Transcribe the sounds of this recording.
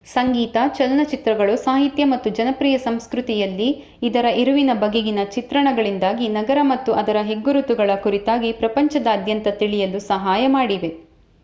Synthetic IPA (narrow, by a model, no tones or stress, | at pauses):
sɐŋɡiːt̪ɐt͡ʃɐlɐnɐt͡ʃit̪ɾɐɡɐɭusaːɦit̪jɐmɐt̪ːud͡ʒɐnɐpɾiːjɐsɐmskɾut̪ijɐlːiː | d̪ɐɾɐʔiɾuʋinɐbɐɡeɡinɐt͡ʃit̪ɾɐɳɐɡɐɭind̪aːɡinɐɡɐɾɐmɐt̪ːuʔɐd̪ɐɾɐɦe̞ɡːuɾut̪uɡɐɭɐkuɾit̪aːɡipɾɐpɐɲt͡ʃɐd̪ɐːd̪jɐnt̪ɐt̪iɭijɐlusɐɦaːjɐmaːɽiʋe